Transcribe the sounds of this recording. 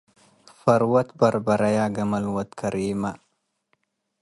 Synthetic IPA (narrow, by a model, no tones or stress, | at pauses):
fɐɾwɐt̪bɐɾbɐɾɐjaːɡɐmɐlwɐt̪kʰɐɾiːma